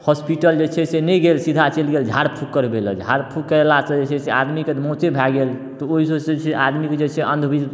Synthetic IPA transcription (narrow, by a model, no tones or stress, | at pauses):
hɔspiʈəld͡ʒet͡ʃʰɛsenɛɡelsid̪ʱat͡ʃelɡeld͡ʒʱaɽpʰukːəɾbelə̰d͡ʒʱaɽpʰukːəelasəd͡ʒet͡ʃʰɛsead̪mikemot͡ʃebʱaɡel | t̪ɔoɦisəset͡ʃʰeʔad̪miked͡ʒet͡ʃʰɛʔənd̪ʱbʱi